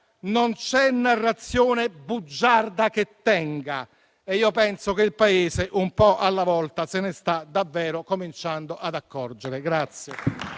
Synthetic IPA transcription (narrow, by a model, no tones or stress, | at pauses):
nont͡ʃɛnːarːat̪sːjoːnebud͡ʒːard̪ak̟et̪ːɛŋɡa̰ | eiːopɛnsokeilpaeːseʔumpɔʔalːavɔlt̪asɪnɪst̪ad̪ːavːɛːɾʊkomint͡ʃand̪oʔad̪akːɔrd͡ʒeɾɪɡɾat̪sːje